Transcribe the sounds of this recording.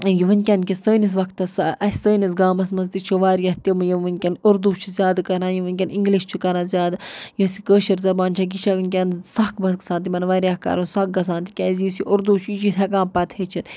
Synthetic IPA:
jiʋɨnʲkʲankʲisəːnis̬ʋɐkt̪ɐsɐsəːnis̬ɡaːmɐsmɐzt̪it͡ʃʰuʋaːɾjɐɦt̪imɨjiʋɨnʲkʲɐnʊɾd̪uːt͡ʃʰuzʲjaːd̪kɐɾãːjiʋɨnʲkʲɐniŋɡliʃt͡ʃʰukɐɾãːzʲjaːd̪jəsikəːʃɐɾzɐbaːnʲt͡ʃʰɐɡiʃʰaʋɨnʲk̬ʲɐnsɐkʰbɐskɐsaːnt̪̬imɐnʋaːɾʲjahkɐ̰ɾunsɐk̚ɡɐsãːnt̪i̥kʲɛːzjisiʔʊɾd̪uːt͡ʃʰit͡ʃʰit̪ʰʲɐkãːmpɐt̪ʰheːt͡ʃʰit̪

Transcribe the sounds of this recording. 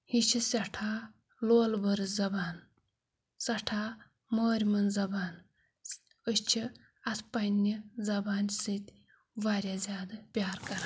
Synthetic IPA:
hit͡ʃʰisɐʈʰaː | loːlbɐɾɨzɐbaːn | sɐʈʰaː | moːɾʲmɐnzɐbaːn | əst͡ʃʰi | ɐspɐnʲːizɐbaːnsɨt̪ʲ | ʋaɾʲazʲaːd̪ɨpʲaːɾkɐɾa

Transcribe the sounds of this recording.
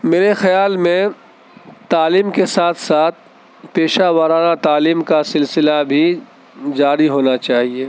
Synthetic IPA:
meːɾexɐjaːlmẽ | t̪aːliːmkesaːt̪ʰsaːt̪̚ʰ | peːʃaːʋəɾaːnat̪aːliːmkasɪlsɪlabʱi | d͡ʒaːɾiɦoːnat͡ʃaːɦieː

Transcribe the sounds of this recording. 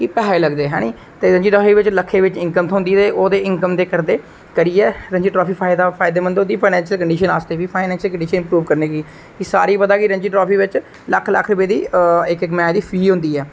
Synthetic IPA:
kipɛɦeləɡd̪eːɦɛ̰ːñiː | t̪eːɾə̃ɲd͡ʒiːʈɾoːfʰiːʋɪt͡ʃləkʰːeːʋɪt͡ʃɪ̃ŋkəmt̪ʰoʊ̃nd̪iːt̪eːʔoːd̪eːɪ̃ŋkəmd̪eːkəɾd̪eː | kəɾiːɛːɾəɲd͡ʒiːʈɾɔːpiːpʰaːɪd̪apʰaːɪd̪eːmə̃nd̪od̪iːpʰaːnɛ̃ːnʃiəlkəɳɖiːʃənaːst̪eːʋiːpʰaːɪnɛ̃ːnʃəlkəɳɖiːʃənɪmpɾuːʋkəɾneːkiː | kisa̰ːɾiːpəd̪aːkɪɾəɲd͡ʒiːʈɾɔːpʰiːʋɪt͡ʃ | ləkʰːləkʰɾʊpeːd̪iːɪkɪkmɛ̃ːd̪iːpʰɾiːɦʊ̃nd̪iːɛː

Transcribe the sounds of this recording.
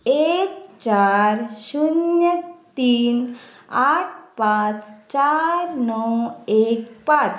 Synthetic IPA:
ekt͡ɕaɾɕunjət̪iːn | aʈ̚ʰpãt͡st͡ɕaɾnɔwek̚pãt͡s

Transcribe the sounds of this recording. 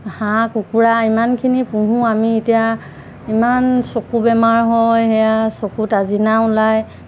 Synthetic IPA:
hãkukuɹaimankʰinipũɦũamietija | imansokubɛmaɹɦɔjhɛjasokutazinaʊlaj

